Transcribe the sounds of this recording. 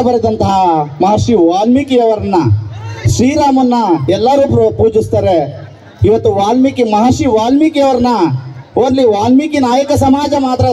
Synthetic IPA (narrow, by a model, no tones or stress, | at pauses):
ɐbɐɾɐd̪ɐnt̪ɐɦɐmɐɦɐɾʂiʋaːlmikijɐʋɐɾɐnːɐʃɾiːɾaːmɐnːɐɛlːɐɾuːppuːd͡ʒist̪aːɾe | iʋɐt̪ːuʋaːlmikimɐɦɐɾʃiʋaːlmikijɐʋɐɾɐnːɐoɾlːiʋaːlmikinaːjɐkɐsɐmaːd͡ʒɐmaːt̪ɾɐ